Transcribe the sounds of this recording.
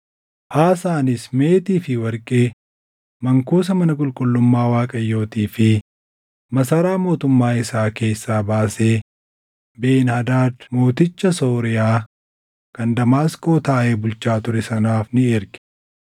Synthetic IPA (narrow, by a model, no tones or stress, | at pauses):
haːsaːnɪsme̞ːt̪iːfɪwɐɾkʼeː | mɐŋkuːs̬ɐmɐnɐkʼʊlkʼʊlːʊmːaːwaːkʼɐjːo̞ːt̪iːfɪ | mɐsɐɾaːmo̞ːt̪ʊmːaːɪsaːke̞ːsːaːbaːseː | be̞ːnhɐd̪aːd̪moːt̪ɪt͡ʃːɐso̞ːɾɪjaː | kɐnd̪ɐmaːsko̞ːt̪aːʔe̞ːbʊlt͡ʃːaːt̪ʊɾɛsɐnaːfnɪeːɾkɪ̥